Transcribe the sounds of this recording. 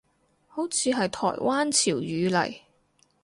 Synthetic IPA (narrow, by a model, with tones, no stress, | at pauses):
ho˨˥wt͡sʰiː˨˧ɦɐ˨jt̪ʰɔ̰ː˨˩jwʔaː˥nt͡sʰiː˨˩wjyː˨˧lɐ̰˨˩j